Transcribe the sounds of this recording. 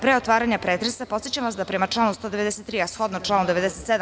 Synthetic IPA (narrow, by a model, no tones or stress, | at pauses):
pɾeo̞t̪ʋaːɾaɲapɾeːt̪ɾesapot̪sjet͡ɕamʋasd̪apɾemat͡ʂlˠaːnust̪od̪eʋed̪ɛset̪ːɾiːasxo̞d̪not͡ʂlaːnud̪eʋe̞d̪ɛset̪sed̪a